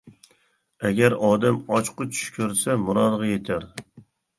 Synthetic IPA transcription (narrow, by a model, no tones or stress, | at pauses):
ɛɡʲæɾɑːd̪ɛmɑt͡ʃqʊt͡ʃʰy̥ʃkʲʰøɾsɛmʊɾɑːd̪ʁɑjet̪ʰæɾɪ